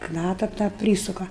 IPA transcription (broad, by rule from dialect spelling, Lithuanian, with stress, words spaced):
ˈknɑːtɐ tɑː ˈpʲrʲiːsʊkɐ